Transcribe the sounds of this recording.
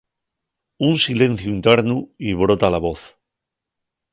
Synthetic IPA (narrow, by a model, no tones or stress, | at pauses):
unsile̞n̟θjuint̪eɾnuiβɾot̪alaβo̞θ